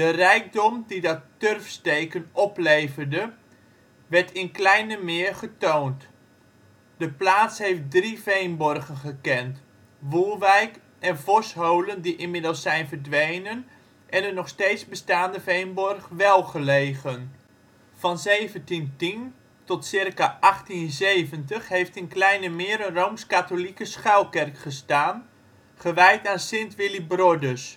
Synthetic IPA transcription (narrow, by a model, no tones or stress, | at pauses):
d̥ərɛjk̚dɔmdidɑtːørfstejkənɔplejvərdə | ʋɛɹtʰɪnklɛjnəmɪːɹχətoːnt | d̥əplaːtshejft̚drivejnbɔrɣənχəkɛnt | ʋuːɹʋɛjk | ʔɛnvɔsɦowləndiʔɪnmɪdəlˠsɛjnvərdʋejnən | ʔɛnənɔχsteːtsbəstaːndəvejnbɔrχʋɛlˠχəlejɣən | fɑnzejvəntintin | tɔtsɪrkaʔɑχtinzeːvəntəχɦejftənklɛjnəmɪːɾəromskatolikəsχœwlkɛrkχəstaːn | χəʋɛjtaːnsɪntʋɪlibrɔdəs